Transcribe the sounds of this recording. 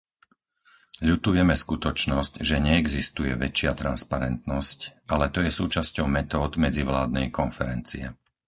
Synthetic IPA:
ʎut̪ujɛmɛskut̪ɔt͡ʃnɔscʒɛɲɛːɡzist̪ujɛʋɛt͡ʃɪat̪ɾa̰nspaɾɛnt̪nɔscʔalɛt̪ɔjɛsuːt͡ʃascɔʊmɛt̪ɔːd̪mɛd͡ziʋlaːd̪nɛjkɔnfɛɾɛnt͡siɛ̰

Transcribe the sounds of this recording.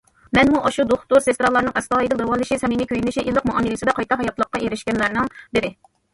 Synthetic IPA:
mɛnmuʔɑʃud̪oχt̪uɾsest̪ɾɑlˠɑɾnɨŋʔɛst̪ɑːid̪ɨlowɑlˠːɨʃisɛminɪkʲʰøjynɪʃiʔilˠːəqmuʔɑmːilɪsɨd̪ɛqʰɑjt̪ɑɦɑjɑt̪lˠəqːɑʔeɾɪʃkʲɛnlæɾnɪŋbɪɾɪ

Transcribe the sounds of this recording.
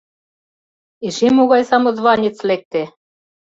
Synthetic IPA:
iʃimuɣɑjsɑmŏzβɑnʲit͡slek̚t̪e

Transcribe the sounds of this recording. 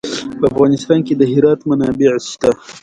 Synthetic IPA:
pəafɣɑnɪst̪ɑnked̪əɦɪɾɑːt̪manɑːbeʕst̪a

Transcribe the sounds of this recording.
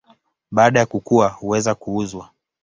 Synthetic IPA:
ɓaːɗajakukuwahuwɛzakuuzwa

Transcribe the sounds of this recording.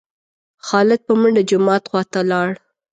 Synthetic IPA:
xɑlɪd̪̚pəmʊɳɖəd͡ʒʊmɑt̪xwɑt̪alɑɽ

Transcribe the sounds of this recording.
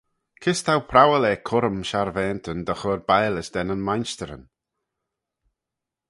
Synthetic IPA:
kʰɪst̪ʰawpʰɾawəlɛːkʰʊɾəmʃaɹvɛːnt̪ʰənd̪əxɔɾbaːləsd̪ɛnənmajnst̪əɾə̰n

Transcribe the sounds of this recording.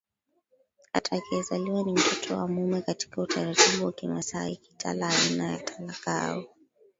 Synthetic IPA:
atʰakɛzaliwanim̩tɔtʰɔwa̰mumɛkati̥kautʰaɾatiɓuwakimasaiki̥tʰa̰laainaja̰tʰalaka̰ɔ

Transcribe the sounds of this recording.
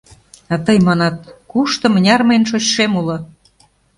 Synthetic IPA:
ɑt̪əjmɑnɑt̪̚kuʃt̪ɤ̆mənʲɑrməjnʃot͡ɕʃemulɤ̆

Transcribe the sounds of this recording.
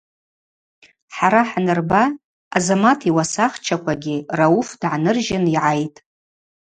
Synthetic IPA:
ħaɾaħanɨrbaː | zamatʰiwasaχt͡ʃʰakʷʰaɡʲɪraufdʕanɨrʒɪniʕajtʼ

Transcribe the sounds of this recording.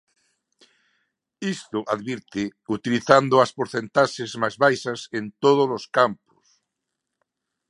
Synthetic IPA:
ist̪oʔaðβiɾt̪eut̪iliθand̪oaspoɾθent̪aʃezmajzβajsasent̪oð̞oloskampo̥s

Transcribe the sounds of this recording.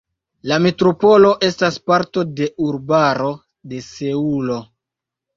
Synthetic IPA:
lametɾopo̞lo̞ʔe̞staspaɾto̞de̞uɾbaɾo̞ | de̞se̞ulo̞

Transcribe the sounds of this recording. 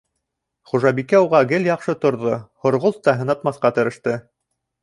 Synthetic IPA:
χuʒɑbikæuʁɑɡɘljɑqʃɤt̪ŏɾðohŏɾʁolˠt̪ːɑɦɤ̆nɑt̪mɑθqɑt̪ɘ̆ɾɘ̆ʃt̪ɘ

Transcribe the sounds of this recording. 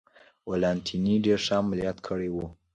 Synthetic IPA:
walɑnt̪ʰiniɖeɾʂaːmalijɑt̪kʰəɽewu

